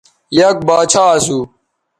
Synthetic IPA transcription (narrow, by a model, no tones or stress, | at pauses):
jɐk̚baːt͡ɕʰaːsuː